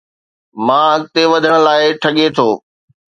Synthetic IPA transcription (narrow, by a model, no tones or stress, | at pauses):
mãːɦɐɠt̪eʋɐd̪ʱəɽ̃ə̆laːɪʈʰɐɠet̪ʰoː